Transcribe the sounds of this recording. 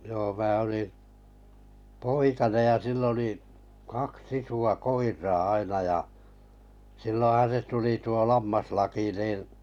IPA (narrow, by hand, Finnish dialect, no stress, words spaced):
joː mæː oli poikɑnej jɑ silː oli kɑks isuɑ koirˑɑː ɑinɑ jɑ silːõːhɑn̞ se tuli tuo lɑmːɑslɑki niːn